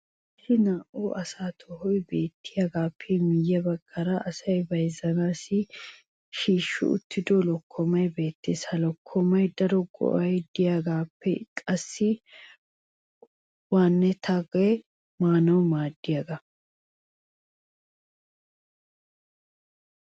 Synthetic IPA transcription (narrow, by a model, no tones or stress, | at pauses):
ʃɪnaːʔoːʔɐsaːt̪ʰɔhɔjbe̞ːt̪ʰːɪjaːɡaːpʰːɛmɪjːɐbɐɡ̥ʼːɐɾɐʔɐsɐjbɐjzɐnaːsɪ | ʃiːʃːʊ̰ʊ̰t̪ʰːɪd̪olɔkʰːɔmɐjbe̞ːt̪ːeːsɐlɔkʰːɔmɐjd̪ɐɾɔɡɔ̰ʔɐjd̪ɪjaːɡaːpːɛkʼɐsːɪ | waːnːɛt̪ʰaɡɔjɛ | maːnɐwmaːd̪ːɪjaɡɐ